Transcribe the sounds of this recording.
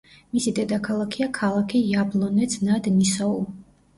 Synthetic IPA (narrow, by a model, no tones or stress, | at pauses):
misid̪ɛd̪akʰalˠakʰiakʰalˠakʰijablˠɔnɛt̪sʰnad̪nisɔu